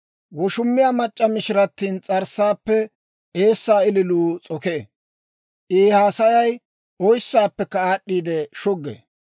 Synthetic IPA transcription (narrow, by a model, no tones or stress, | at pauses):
wɔʃʊmːɪjaːmɐt͡ʃʼːɐmɪʃɪɾɐt̪ːiːnt͡sʼɐɾsːaːpːɛ | ʔeːsːaːɪlɪluːt͡sʼɔkeː | ʔeːhaːsɐjɐj | ʔɔjsːaːpːɛkːɐaːɗːiːd̪ɛʃɔɡːḛː